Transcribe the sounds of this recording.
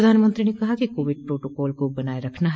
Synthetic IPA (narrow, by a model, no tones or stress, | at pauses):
d̪ʱaːnmə̃nt̪ɾinekɐɦakikoːʋɪɖ̚pɾoːʈoːkɔːlkobɐnaːeɾɐkʰnaɦ